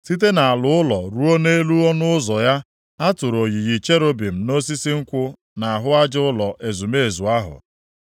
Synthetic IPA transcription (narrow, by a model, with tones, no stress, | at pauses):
ti˦t̬e˦na˨a˨lʊ˦ʊ˦lɔ˨ɾu˦o˦ne˦lu˦ɔ˦nʊ˦ʊ˦zɔ˨ja˦ | a˦tʊ˨ɾo˨ɣi˨ɣi˨t͡ʃe˦ɾo˦bi˨m̩˨no˦s̬i˦si˦ŋ̩˦kʷʊ˦ | na˨a˨ɦʊ˦a˦d͡ʒɪ˦ʊ˦lɔ˨ʔe˨zu˨me˦e˨zu˨a˦ɦʊ̰˨